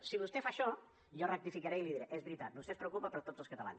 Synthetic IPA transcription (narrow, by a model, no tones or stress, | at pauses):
siβ̞ust̪efaʃɔ | jɔrək̚t̪ifikəɾɛiliðiɾeʔezβɾit̪at̪̚bust̪espɾəukupəpəɾt̪ozəlˠskət̪əla̰ns